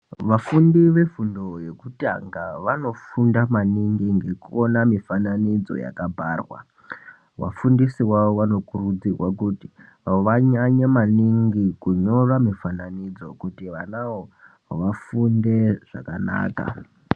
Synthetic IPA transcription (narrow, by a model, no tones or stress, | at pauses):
ʋafundiʋe̞fundo̞je̞kuta̰ŋɡaʋano̞fundamaniŋɡiŋɡe̞kuonamifananid͡zo̞̰ja̰kabʱarwa̰ | wa̰fundisiwawoʋano̞kurud͡zirwakuti | ʋaɲaɲamaniŋɡikuɲo̞ramifananid͡zo̞kutiʋanawo̞ | ʋafunde̞ʐ̥a̰kana̰ːka̰